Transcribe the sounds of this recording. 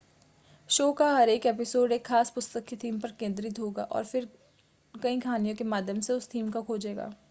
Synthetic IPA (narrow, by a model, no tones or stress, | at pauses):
ʃoːkaɦɐɾeːkɛːpɪsoːɖeːkʰːaːspʊst̪əkit̪ʰiːmpɐɾkẽːnd̪ɾiuːɡa̰ːʔɔ̰ːɾfɪɾ | kɐĩkʰaːnijõkemaːd̪ʱjəmseʊst̪ʰiːmkakʰoːd͡ʒeːɡa̰ː